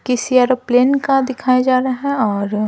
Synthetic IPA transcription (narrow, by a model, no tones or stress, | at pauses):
kɪsiaːɾopleːnkad̪ɪkʰaːed͡ʒaːɾɐɦɛ̃ɔːɾ